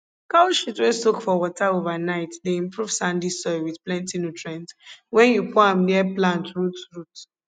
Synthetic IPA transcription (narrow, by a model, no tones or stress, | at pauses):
kaʃitwesokfɔwɔtaovanaɪtdeĩmpɹuv̥sãndisɔjwiðplɛ̃ntinutʰɹɛ̃ntwɛ̃njupɔãmdiɛplãntɹutɹut